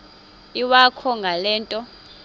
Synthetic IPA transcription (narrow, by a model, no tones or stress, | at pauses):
iwakʰɔŋɡʱalɛːntʼɔ